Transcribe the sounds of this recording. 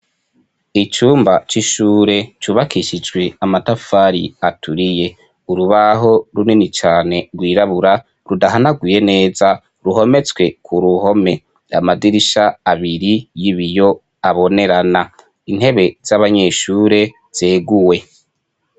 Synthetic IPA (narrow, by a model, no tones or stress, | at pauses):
it͡ʃuːmbat͡ʃiʃuːɾe̞t͡ʃuβakiʃid͡ʒɡwe̞amatafaɾḭatʰuɾije̞ | uɾuβaɦo̞ɾuninit͡ʃaːne̞ɾɡwiːɾaβuɾa | ɾudaɦanaɡwiːje̞ne̞ːza | ɾuɦo̞me̞t͡swe̞kʰuɾuho̞me̞ | a̰madiɾiʃaːβiɾijiβijo̞ | aβo̞ne̞ɾana | inhe̞βe̞z̥aβaɲe̞ːʃuːɾe̞ | z̥eːɡuwe̞